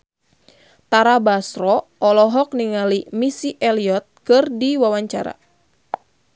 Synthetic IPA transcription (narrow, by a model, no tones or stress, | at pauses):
t̪aɾabasɾɔɔlɔɦɔk̚niŋalimisiʔɛliɔt̪̚kɨrdiwawaɲt͡ʃa̰ɾa̰